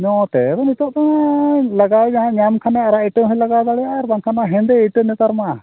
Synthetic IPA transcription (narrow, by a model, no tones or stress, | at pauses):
ɲɔt̪ɛb̪ɔnit̪ɔʔt̪ɔŋlaɡad͡ʒaɦãɲamkʰanaɾaiʈəɦɔlaɡad̪aɽɛjaɾbaŋkʰanaɦɛ̃nd̪ɛiʈənɛt̪aɾma